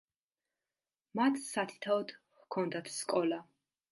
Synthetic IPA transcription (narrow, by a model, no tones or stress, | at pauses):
mat̪ʰsat̪ʰi̥t̪ʰaɔd̪ | hkʰɔnd̪at̪ʰskʼɔla